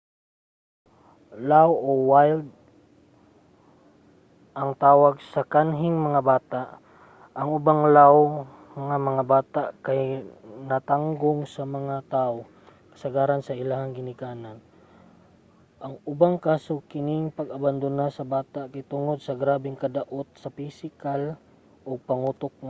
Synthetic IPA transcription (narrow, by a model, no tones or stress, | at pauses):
lawowajld̪̚ | ʔɐŋt̪aːwaɡ̚sɐkanɦɪŋmɐŋabaːt̪aʔ | ʔɐŋʊbaŋlaw | ŋamɐŋabaːt̪aʔkajnɐt̪aŋɡoŋsɐmɐŋat̪ao | kɐ̥sɐɡaːɾɐnsɐɪlahɐŋɡɪnɪkaːnan | ʔɐŋʊbaŋkaːsokɪnɪŋpɐɡɐband̪ʊnasɐbaːt̪aʔkajt̪ʊŋod̪̚sɐɡɾaːbɪŋkɐd̪ɐʔot̪̚sɐpisɪkal | ʔoɡ̚pɐŋuːt̪ok̚